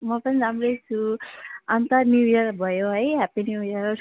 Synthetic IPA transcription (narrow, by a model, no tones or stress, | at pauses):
mʌpʌniɾamrʌjt͡sʰu | ʌnt̪ʌrnjujʌrbʱʌjoɦʌjɦapinjujʌr